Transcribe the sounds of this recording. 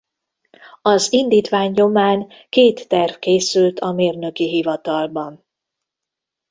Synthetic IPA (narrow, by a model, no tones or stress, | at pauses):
ɒzind̪iːt̪ʋaːɲːo̞maːŋ | keːt̪ːɛrvkeːsylt̪ʰɒmeːrnø̞kiɦivɒt̪ɒlbɒn